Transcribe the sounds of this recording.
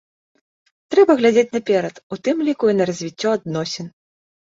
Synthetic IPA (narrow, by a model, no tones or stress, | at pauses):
t̪ɾɛbɐɣlʲad͡zʲet͡sʲnɐpʲɛɾɐt̪ut̪ɨmlʲikuinɐɾɐzʲvʲit͡sʲːɔad̪nɔsʲɛn